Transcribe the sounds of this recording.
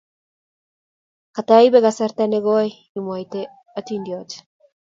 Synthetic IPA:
kat̪ajβeɣasaɾt̪aneɣoj | lmoajt̪e | at̪ind̪iot͡ʃ

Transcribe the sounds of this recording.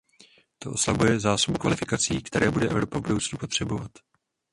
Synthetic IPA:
t̪o̞ʔo̞slabujɛzaːsobukvalɪfɪkat͡siːkt̪ɛɾɛːbudɛʔɛvɾo̞pavbudo̞wt͡snupo̞t̪r̝̥ɛbo̞vat̪

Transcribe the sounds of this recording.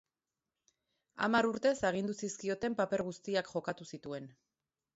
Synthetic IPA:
a̰maɾuɾt̪e̞saɣ̞ind̪usiskio̞t̪e̞mpape̞ɾɣust̪iakʝo̞kat̪usit̪ue̞n

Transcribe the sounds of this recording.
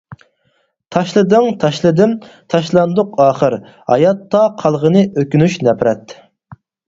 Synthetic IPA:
t̪ʰɑʃlˠɨd̪ɨŋt̪ʰɑʃlˠɨd̪ɪmt̪ʰɑʃlˠɑnd̪ʊqɑːχəɾ | hɑ̰jɑt̪ːɑqʰɑlˠʁənɨʔøkʲynyʃnɛpɾɛt̪

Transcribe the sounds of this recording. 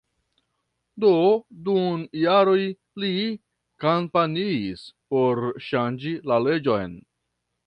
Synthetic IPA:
dodunjaɾo̞j | li | kampaniːspo̞ɾʃand͡ʒilale̞d͡ʒo̞jn

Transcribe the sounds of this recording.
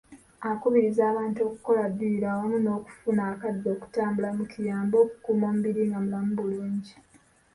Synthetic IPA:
akuβiɾizaːβaːntuo̞ːku̥ko̞lad̪iiɾawomuno̞ːku̥funaːkadːo̞ːku̥taːmbulamukijaːmbo̞ːku̥kuːmo̞ːmubiɾiŋɡamulamubuluːɲɟi

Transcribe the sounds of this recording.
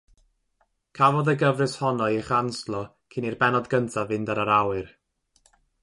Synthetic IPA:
kʰavɔðəɡəvrɨshɔnɔɛχanslˠɔ | kʰinirbɛnɔdɡəntʰavɨndaɾaɾawɨr

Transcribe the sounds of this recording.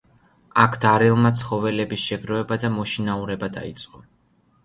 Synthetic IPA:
akʰd̪aɾilˠmat̪sʰχɔvɛlɛbisʃɛɡɾɔɛbad̪amɔʃinauɾɛbad̪a̰it̪sʼqʼɔ

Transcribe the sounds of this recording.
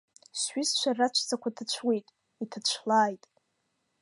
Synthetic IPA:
sɥɪst͡ʃʷarat͡ʃʷʰt͡sakʷatʰat͡ɕʷʰwe̞jtʼ | itʰat͡ʃʷʰlaːjtʼ

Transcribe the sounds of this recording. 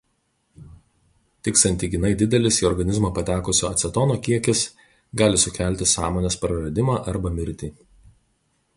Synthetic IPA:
t̪ʲɪksɐnʲt̪ʲiɡʲɪnɐɪd̪ʲɪd̪ʲɛlʲɪsiːɔɾɡɐnʲɪzmoːpɐt̪ʲæːkʊsʲoːɐt̪sʲɛt̪oːnoːkʲiɛkʲɪs | ɡɑːlʲɪsʊkʲæˑlʲt̪ʲɪsɑːmoːnʲeːspɾɐɾɐd̪ʲɪmɑːʔɐɾbɐmʲɪɾʲt̪ʲiː

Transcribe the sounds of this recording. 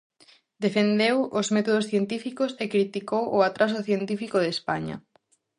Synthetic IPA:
d̪efend̪ewozmɛt̪oð̞osθjent̪ifikosekɾit̪ikowʔʊat̪ɾas̬oθjent̪ifikoðespaɲɐ̰

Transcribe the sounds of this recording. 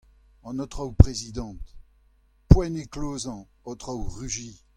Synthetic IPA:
ɑ̃nɔt̪χawpʁezid̪ɑ̃t̪ | pwɛ̃nekloːzɑ̃ | ɔt̪ʁawʁyʒiː

